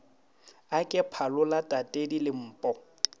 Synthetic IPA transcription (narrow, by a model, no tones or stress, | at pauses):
akʼɪpʰalʊlatʼatʼedilɪm̩ːpʼɔ